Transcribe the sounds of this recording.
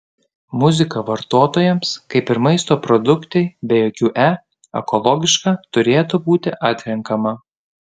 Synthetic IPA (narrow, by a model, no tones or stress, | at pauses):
mʊzʲɪkɐʋɐɾt̪oːt̪oːjɛmskɐɪpɪɾmɐɪst̪oːpɾɔd̪ʊkt̪ʲɛɪbʲɛjoːkʲuːʔæ | ɛ̰kɔlˠɔɡʲɪʃkɑːt̪ʊɾʲeːt̪ubuːt̪ʲɪʔɑːt̪ʲɾʲɛŋkɐmɐ